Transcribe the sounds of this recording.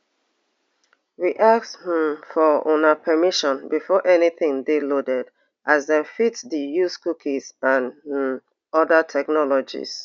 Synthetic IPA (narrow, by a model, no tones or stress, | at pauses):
ɹiʔakshmfɔo̰napʰɛmiʃɔ̃nbifɔʔɛniθɪ̃ŋdelodɛd | ʔazðɛ̃nfitsdijuskukʰizãn | ɔdətʰɛknɔlɔd͡ʒḭz̥